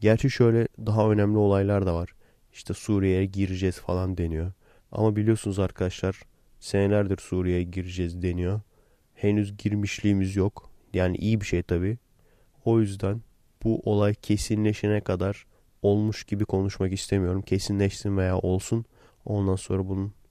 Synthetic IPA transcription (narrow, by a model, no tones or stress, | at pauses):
ɟæɾt͡ʃʰɛʃø̞jlʲɛd̪aɦaø̞næmlʲio̞lˠajlˠaɾd̪avaɾ̥ | i̥ʃt̪ʰɛsuːɾijejɛɟiɾid͡ʒɛzfalˠand̪e̞nijo̞ | a̰mabilʲijo̞sunuzaɾkʰad̪aʃlˠaɾ̥ | se̞nelʲæɾd̪iɾsuːɾijejɛɟiɾid͡ʒɛzd̪e̞nijo | he̞nyzɟiɾmiʃlʲiːmizjok | jaːnḭʔijibiʃejt̪ʰaβiː | o̞jyzd̪æn | b̥uʔo̞lˠajcʰe̞sinlʲeʃenɛkʰad̪aɾ̥ | o̞lˠmuʃɟ̥ibikʰo̞nuʃmakist̪ʰe̞mijo̞ɾumcʰe̞sinlʲɛʃsinvejaːʔo̞lˠsun | o̞̰nd̪anso̞nɾabunun